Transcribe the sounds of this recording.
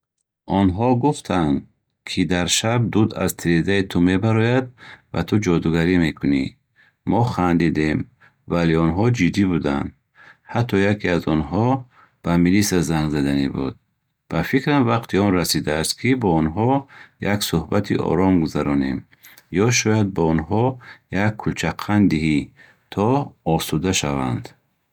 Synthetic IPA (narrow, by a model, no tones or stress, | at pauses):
ɔnɦɔɡuft̪ʰand̪ | kʰid̪aɾʃab̚d̪ud̪a̰zt̪ʰiɾezait̪ʰume̞baɾɔjad̪̚va̰t̪ʰud͡ʒɔd̪uɡaɾime̞kʰuni | mɔχand̪id̪em | valeɔnɦɔd͡ʒid̪ːibud̪a̰nd̪ | hat̪ʰːɔjakʰiazɔnɦɔ | b̥amilisazaŋɡzad̪anibṵd̪̚ | b̥afikɾamvaqt̪ʰiɔnrasid̪aːst̪kʰibɔɔnɦɔjaksuhbat̪ʰḭʔɔ̰ɾɔmɡuzaɾɔnḛm | jɔʃɔjad̪̚baɔnɦɔjakʰːult͡ʃʰaqʰːand̪iɦi | t̪ʰɔɔsud̪aʃava̰nd̪